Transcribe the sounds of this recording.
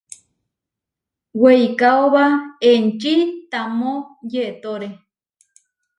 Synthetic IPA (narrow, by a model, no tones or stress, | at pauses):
wejkaoβaent͡ʃit̪amojeʔt̪oɾe